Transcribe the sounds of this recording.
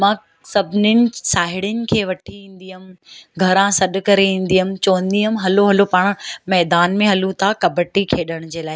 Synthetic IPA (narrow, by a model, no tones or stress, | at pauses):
mãː | sɐbʱɪnɪnɪ̆saːɦɪɽɪnɪ̆kʰeːʋɐʈʰiĩːn̆d̪iɦʊmɡʱɐɾãsɐɗʊ̆kɐɾeĩːn̆d̪iɦʊmɪ̆t͡ɕoːə̃nd̪iɦʊmɦɐloɦɐlopaːɽ̃mɛːd̪aːnmẽɦɐlũt̪ʰakɐbəʈikʰeːɗəɽ̃ʊd͡ʑeːlaːɦɪ